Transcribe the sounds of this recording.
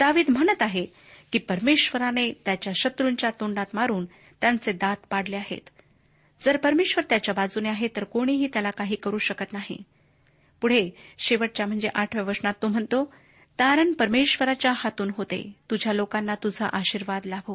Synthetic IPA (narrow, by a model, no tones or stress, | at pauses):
d̪aʋiːd̪m̤əɽ̃ət̪aɦe | kiːpəɾmeɕʋəɾanet̪jat͡ɕjaɕət̪ɾuɲt͡ɕjat̪oɳɖat̪maɾuːn | t̪jant͡sed̪at̪paɽ̤leaɦḛt̪ | d͡zəɾpəɾmeɕʋəɾt̪jat͡ɕjabad͡zuneaɦet̪əɾkoɽ̃iɦiːt̪jalakaɦiːkəɾuːɕəkət̪naɦḭ | puɽ̤eɕeʋəʈ̚t͡ɕjam̤əɳd͡zeʔaʈʰʋjaʋəɾsnat̪ːom̤əɳt̪o | t̪aɾəɳpəɾmeɕʋəɾat͡ɕjahat̪uːnɦot̪ḛt̪ud͡ʑʱjalokanːat̪ud͡zʱa̰ʔaɕiɾʋad̪labʱo